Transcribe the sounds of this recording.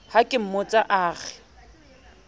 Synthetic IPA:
hakʼɪm̩mot͡sʼaʔaːɣɛ

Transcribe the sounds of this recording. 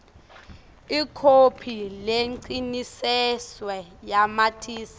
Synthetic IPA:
ikʰopʰileǀinisɛswɛjamatʰiːsḁ

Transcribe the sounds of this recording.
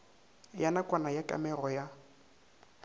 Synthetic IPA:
janakʼwanajakʼa̰mɛrɔja

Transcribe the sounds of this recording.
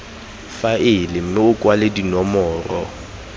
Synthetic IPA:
faɪlɪm̩mɪʊkʼwaledinɔmɔːrɔ

